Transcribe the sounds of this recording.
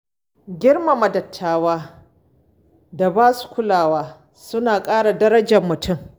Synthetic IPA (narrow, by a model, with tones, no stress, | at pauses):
ɡʲɪ˦rma˨mɐ˨dɐ˨tʰːaː˦waː˦ | da˨baː˦su̥˨kʷʊ˦laː˨waː˦ | sʊ˦naː˨kʼaː˦ɽa˨dɐ˦ɾɐ˦d͡ʒɐ˨mːʊ˨tʰʊ˦˨m